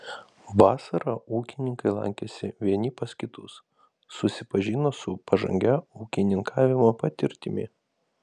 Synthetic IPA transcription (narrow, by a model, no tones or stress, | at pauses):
ʋɑːsɐɾɑuːkʲɪnʲɪŋkɐɪlˠɐ̰ŋʲkʲɛsʲɪʋʲiɛnʲɪpɐskʲɪt̪ʊsː | ʊsʲɪpɐʒʲɪnoːsʊpɐʒɐ̰ŋʲɡʲɛuːkʲɪnʲɪŋkʰɑːʋʲɪmoːpɐt̪ʲɪɾʲt̪ʲɪmʲɪ̰